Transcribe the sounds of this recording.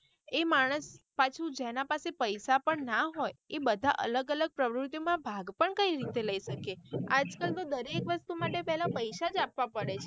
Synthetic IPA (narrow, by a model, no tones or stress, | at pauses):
emaɽ̃əspat͡ʃʰud͡ʒenãpasepəjsapəɳnaɦojebəd̪ʱa̰ʔə̰ləɡələɡ̚pɾəʋɾʊt̪ijomãbʱaɡpəɳkəiɾit̪eləiʃəkead͡ʒkəlt̪od̪əɾekʋəst̪umaʈepɛɦlapəjʃad͡ʒapʋapəɽet͡ʃʰe